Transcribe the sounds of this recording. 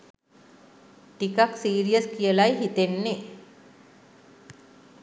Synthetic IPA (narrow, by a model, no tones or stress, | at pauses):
ʈikaksiːɾijəskijəlajɦit̪enːe